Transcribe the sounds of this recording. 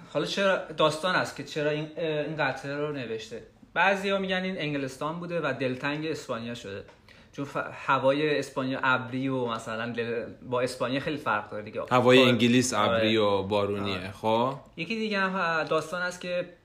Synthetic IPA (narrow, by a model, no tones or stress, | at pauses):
hɒlɒt͡ʃʰe̞ɾɒd̪ɒːst̪ɒːnæst̪cʲʰe̞t͡ʃʰe̞ɾɒːininɡæt̪ʰeɾone̞ve̞ʃt̪e̞b̥æzijɒːmiɟænd̪ine̞ŋɟelest̪ɒːnbuːd̪evæd̪e̞lt̪ʰæŋɟe̞ːspɒːnijɒʃod̪e̞ | t͡ʃʰonfhævɒːje̞ːspɒːnijɒ̰ʔæbɾiomæsælænd̪elbɒːe̞spɒːnijɒxe̞jlifæɾʁd̪ɒɾed̪iɟehavɒːjeiŋɟilisæbɾiobɒːɾuniexoje̞cʰid̪iːɟeæd̪ɒːst̪ɒːnæst̪cʲʰe̞